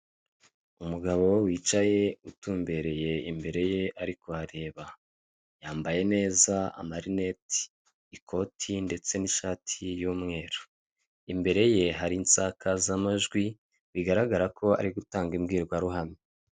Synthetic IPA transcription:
umuɡaβo̞wiːt͡ʃaje̞utuːmbe̞ɾe̞je̞imbe̞ɾe̞je̞ʔaɾiko̞haɾe̞ːβa | jaːmbaje̞ne̞ːzaa̰maɾine̞ti̥ː | kʰo̞tʰinde̞t͡se̞niʃaːtʰijuːmŋe̞ːɾo | imbe̞ɾe̞je̞ɦaɾiːnsakʰazamaʒɡwi | βiɡaɾaɡaɾakʰo̞a̰ɾiɡutaːŋɡimɡiːɾɡwaɾuɦami

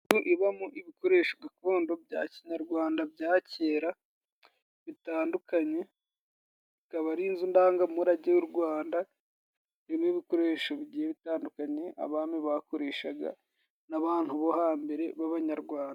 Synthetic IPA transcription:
tuʔiβamuʔiβiko̞ɾe̞ːʃoɡako̞ːndo̞bɟa̰ːciɲaɾɡwaːndabɟaːceːɾa | βitaːndukaɲe̞ | ikaβaɾiːnzundaːŋɡaumuɾaɟewuɾɡwaːnda | imiβiko̞ɾe̞ːʃo̞βiɟiːjeβitaːndukaɲe̞a̰βaːmiβako̞ɾe̞ːʃaɡa̰ | naβaːn̥huβo̞haːmbe̞ɾe̞βaβaɲaɾɡwaːnda

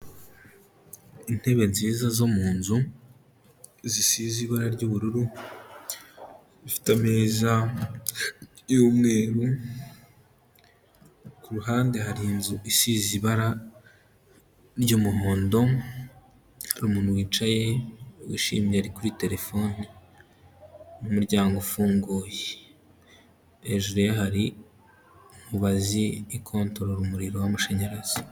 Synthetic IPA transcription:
in̥he̞βe̞nziːzazo̞muːnzu | zisiziβaɾaɾɟuβuɾuɾu | ifi̥tame̞ːza | jomŋe̞ːɾu | kuɾuɦaːnde̞haɾinzuʔisiziβaɾa | ɾɟomuɦoːndo̞ | haɾuːmuːnhuwiːt͡ʃaje̞wḭːʃḭːmjeaɾikuɾite̞ɾe̞fo̞ni | jumuɾɟaːŋɡofuːŋɡuːje | eʒuɾijahaɾi | muβaziːkʰo̞ːntoɾoɾumuɾiɾo̞wamaʃe̞ɲeɾez̥o

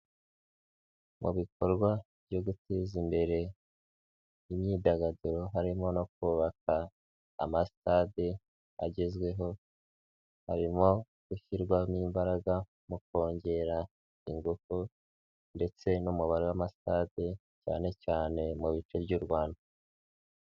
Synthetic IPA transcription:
mṵβiko̞ɾɡwa | bjo̞ɡutezimbe̞ɾe̞ | imɲiːdaɡaduɾo̞ɦaɾimo̞no̞k̚uːβaka̰ː | masi̥tade | a̰ɟe̞zɡwe̞ɦo̞ | haɾimo̞ | ɡ̥uçiɾɡwamiːmbaɾaɡa | muko̞ːɲɟe̞ɾa | iŋɡuku | nde̞t͡se̞numuβaɾewamasi̥tade | ca̰ːne̞caːne̞muβit͡ʃebɟuːɾɡwaːnda

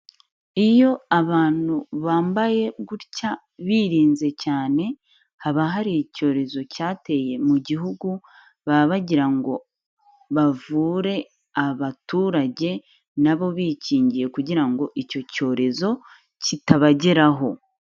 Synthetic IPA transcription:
ijo̞aβaːn̥uβaːmbaje̞ɡuɾca | βiːɾiːnze̞caːne̞ | haβaɦaɾico̞ːɾe̞zo̞caːte̞je̞muɟiɦuɡu | βaβaɟiɾaŋɡo̞ | βavuːɾe̞ | aβatuːɾaɟe̞ | naβo̞βiciːɲɟije̞kuɟiɾaŋɡo̞ʔico̞co̞ːɾe̞zo̞ | citaβaɟe̞ɾaɦo̞

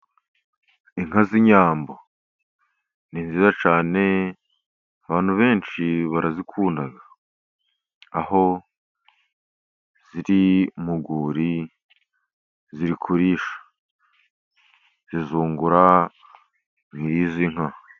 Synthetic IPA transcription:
iŋɦaziɲaːmbo | ninziːzat͡ʃaːne̞ | aβaːn̥huβe̞ːnt͡ʃiβaɾazikʰuːnaɡa | ho̞ | z̥iɾimuɡuːɾi | ziɾikʰuɾiːʃḁ | zizuːŋɡuɾa | ŋiɾiziŋ̥ha

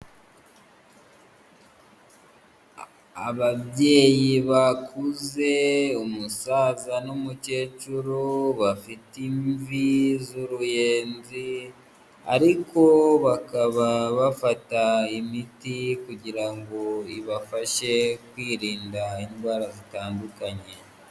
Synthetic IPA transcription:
aβaβje̞ːjiβakʰuze̞umusaːzanumuce̞ːt͡ʃuɾuβafitiɱɱvizuɾuje̞ːnzi | a̰ɾiko̞βakaβaβafataimitikuɟiɾaŋɡo̞iβafaʃe̞kwiːɾiːndaindɡwaːɾazitaːndukaɲe̞

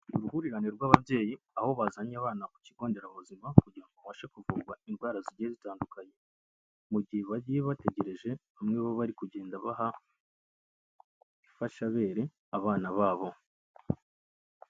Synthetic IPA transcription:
uɾuhuɾiɾaneɾɡwaːβaβje̞ːji | aho̞βazaɲaβaːnaku̥ciɡo̞ːnde̞ɾaβuzimakuɟiɾaŋɡoβaʃekuvuːɡwainɡwaːɾaziɟiezitaːndukaɲe̞ | muɟihe̞βaɟijeβate̞ɟe̞ɾe̞ʒe̞βamŋeβoβaɾikuɟe̞ːndaβaɦa | ifaʃaβe̞ːɾe̞ | aβaːnaβaːβo̞

